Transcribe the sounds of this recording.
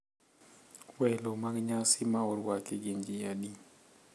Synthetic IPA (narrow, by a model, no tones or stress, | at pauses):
wɛlomaɡɲasimaɔɾwakiɡeɲd͡ʒijadi